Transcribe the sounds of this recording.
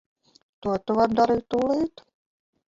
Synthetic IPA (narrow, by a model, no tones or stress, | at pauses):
t̪uot̪ːuʋɑnd̪ɑɾit̪uliːt̪